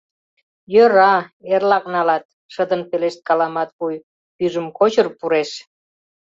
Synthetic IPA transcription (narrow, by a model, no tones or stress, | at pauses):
jøɾɑerlɑk̚nɑlɑt̪̚ | ʃəd̪ənpeleʃt̪̚kɑlɑmɑt̪βuj | pyʒəmkot͡ɕərpuɾeʃ